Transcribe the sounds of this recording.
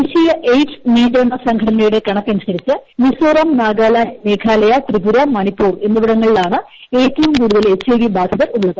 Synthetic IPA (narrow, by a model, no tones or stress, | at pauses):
iɕijɐʔejʈsniːdɐɳːɐsɐŋɡʱɐɽɐnɐjuɽe̞kɐɳɐkːɐnisɐɾit͡ɕːɨmisoːrɐmnaːɡaːlaːnmeːkʰaːlɐjɐt̪riɡuɾɐmɐnipːuːre̞nːuʋiɽɐŋːɐɭilaːɳɨ | eːtːɐʋumkuːɽuðɐle̞t͡ɕːeːʋibaːd̪ʱɐðɐruɭːɐðɨ